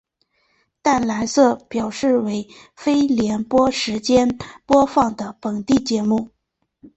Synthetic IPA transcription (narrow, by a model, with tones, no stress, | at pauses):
t̪a˥˩nla˧˥ɪsɤ˥˩pjɑ˨˩ʊʂɻ̩˥˩we˧˥ɪ | fe˥ɪljɛ˧˥npwɔ˥ʂɻ̩˧˥t͡ɕjɛ˥npwɔ˥fɑ˥˩ŋd̪ə˩pə˨˩ŋt̪i˥˩t͡ɕjɛ˧˥mu˥˩